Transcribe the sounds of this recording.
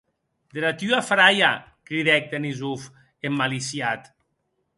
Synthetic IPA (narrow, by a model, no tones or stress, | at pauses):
d̪eɾat̪yafɾaja | kɾiðɛk̚d̪enizuf | emːalisjat̪